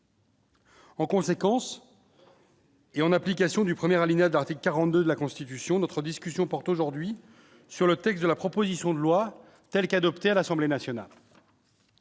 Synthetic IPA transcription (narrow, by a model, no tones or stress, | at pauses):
ɑ̃kɔ̃sekɑ̃s | eɑ̃naplikʲasjɔ̃d̪ypχəmjɛʁalinad̪əlaʁt̪ikləkaʁɑ̃t̪d̪ød̪əlakɔ̃st̪it̪ysjɔ̃nɔt̪χəd̪iskʲysjɔ̃pɔʁt̪oʒuʁd̪ɥi | syʁlət̪ɛks̚d̪əlapχɔpozisjɔ̃d̪əlwa | t̪ɛlkad̪ɔpt̪ealasɑ̃blenasjɔna̰l